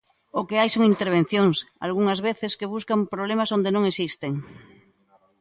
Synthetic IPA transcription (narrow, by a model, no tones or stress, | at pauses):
okeajsoŋint̪eɾβ̞ẽn̟θjõŋsa̰lɣ̞uŋazβeθeskeβ̞uskampɾoβ̞lemasond̪enõŋesist̪eŋ